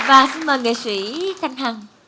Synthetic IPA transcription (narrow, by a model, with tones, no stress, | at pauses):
vaː˨˩si˧nməː˨˩ŋḛ˨˩swi˧˦t̪ʰa˧jŋ̟ɦaː˨˩ŋ